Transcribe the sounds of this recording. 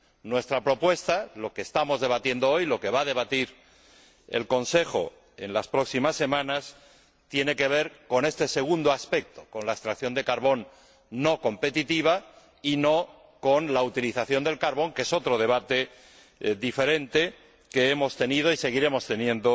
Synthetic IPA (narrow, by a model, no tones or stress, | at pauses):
nwe̞st̪ɾapɾo̞pwe̞st̪alo̞keːst̪amo̞zðe̞βat̪je̞nd̪oo̞jlo̞ke̞βaðe̞β̞at̪iɾ | e̞̰lko̞nse̞xo̞̰ | e̞̰nlaspɾo̞ksimasːe̞mãnas | t̪je̞ne̞ke̞β̞e̞ɾko̞ne̞st̪ese̞ɣ̞und̪oaspe̞k̚t̪oko̞nlaest̪ɾakθjo̞nd̪e̞kaɾβo̞nː | o̞ko̞mpe̞t̪it̪iβ̞a | ino̞ | ko̞nlaut̪iliθaθjo̞nd̪e̞lkaɾβ̞o̞ŋke̞so̞t̪ɾo̞ð̞e̞β̞at̪e̞ | ðife̞ɾẽ̞nt̪e̞ | keemo̞st̪e̞nið̞o̞ise̞ɣ̞iɾe̞mo̞st̪e̞njẽ̞nd̪o̞